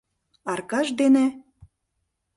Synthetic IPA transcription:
ɑrkɑʃd̪ene

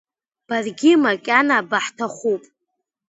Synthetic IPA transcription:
b̥arɡʲɪmakʲʼanaːbaħtʰaχʷupʼ

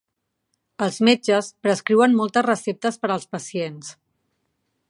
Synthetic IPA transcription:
əlˠzmed͡ʒəspɾəskɾiwənmɔlˠt̪əzrəsep̚t̪əspəɾəlˠspəsiens

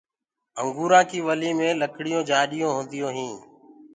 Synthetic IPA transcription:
əŋɡuːɾãːkiːʋəliːmẽːləkʰɽɪjõːd͡ʒaːɗɪjõːɦõːnd̪ɪjõːɦĩː

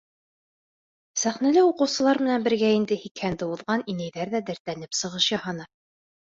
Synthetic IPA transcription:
sæχnælɘuqɤ̆wsɤ̆lˠɑɾmɘ̆nænbɘ̆ɾɡæind̪ɘhikhænd̪ɘuðʁɑninæjðæɾðæd̪æɾt̪ænɘpsɤ̆ʁɤʃjɑhɑnɤ

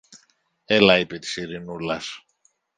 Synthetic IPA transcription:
e̞lɐipe̞t̪i̥siɾinulɐs

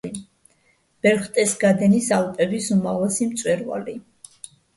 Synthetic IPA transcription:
b̥ɛɾχt̪ʼɛsɡad̪ɛnisalˠpʼɛvisumaʁlasimt̪sʼwɛɾva̰li

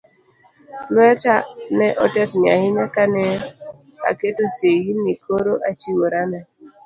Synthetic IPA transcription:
lwɛtanɛʔɔtɛtɲɪahɪɲakanɛ | a̰ketosejinːikʰoɾoʔat͡ʃiwoɾanɛ

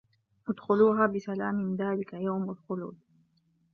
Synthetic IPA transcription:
ʔʊd̪xʊluːɦaːbɪsalaːmɪnðaːlɪkajawmalxʊlṵːd̪̚

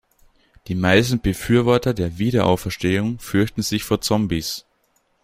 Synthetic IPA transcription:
d̥iːmaɪstn̩b̥əfyːɐvɔɐtɐdeːɐviːɾɐʔa̰ʊfɛɐʃteːʊŋfʏɐçtn̩zɪçfoːɐt͡sɔmbis

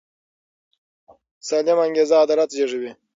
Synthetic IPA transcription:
salemaŋɡezaːd̪aɾat̪d͡ʒeʐiwi

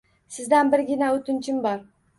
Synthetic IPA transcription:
sɪzd̪anbɪɾɡʲɪnaɵt̪ɪnt͡ʃʰɪmbɒɾ

